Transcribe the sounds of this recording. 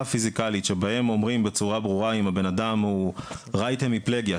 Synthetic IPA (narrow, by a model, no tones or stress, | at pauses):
afizikalitʃebahe̞mo̞mʁimbet͡suʁabʁuʁaimhabe̞nadamhuʁajt̪emipleɡja